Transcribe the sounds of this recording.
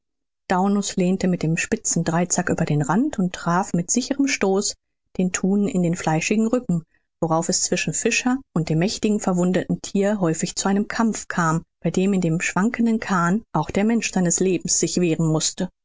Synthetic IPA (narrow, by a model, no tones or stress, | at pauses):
d̥aʊnʊsleːntəmɪt̚d̥eːmʃpɪt͡sn̩dʁaɪt͡sakʔyːbɐɾeːnʁantʊntːʁ̥aːfmɪtz̥ɪçəʁəmʃtoːs | d̥eːntʰuːnɪ̰ndeːnflaɪʃɪɡŋ̩ʁʏkŋ̩ | voʁaʊfɛst͡sv̥ɪʃn̩fɪʃɐʔʊnt̚d̥eːmːɛçtɪɡŋ̩fɛɐvʊndətn̩tʰiːɐɦɔʏfɪçt͡suʔaɪnəmkʰamp͡fkʰaːmb̥aɪdeːmɪndeːmʃv̥aŋkəndənkʰaːnʔaʊxd̥eːɐmɛnʃz̥aɪnəsleːbm̩sz̥ɪçv̥eːʁənmʊstə